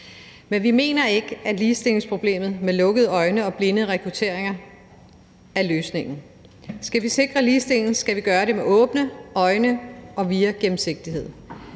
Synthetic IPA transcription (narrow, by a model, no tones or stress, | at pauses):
menʋime̝̰ːnɐe̝ɡ̥əæ̥liːsd̥e̝le̝ŋspʰʁo̝b̥le̝̰ːmð̩ˠmelɔ̽ɡ̥əð̩ˠɒ̽ɪnəɒ̽b̥le̝nəð̩ˠəʁɛkʰʁut͡sʰe̝̰ɐ̰e̝ŋɐ | æløːsne̝ŋ̰n̩ | sɡ̥æʋise̝ɡ̥ʁɐliːsd̥e̝ln̩sɡ̥æʋiɡ̥ɶːɐɾe̝meʔɔ̽ːb̥nəɒ̽ɪnəɒ̽ʋiːæɡ̥em̩se̝ɡ̥̚d̥iɦe̝ð̰ˠ